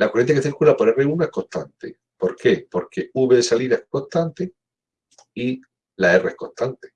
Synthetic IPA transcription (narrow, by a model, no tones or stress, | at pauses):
lakurenθjakeθiɾkulapo̞ɾereunoehko̞ht̪ant̪e | po̞ɾke̞po̞ɾke̞uβeðesaliɾaeko̞ht̪ant̪e | i | lae̞reehko̞ht̪ant̪e̥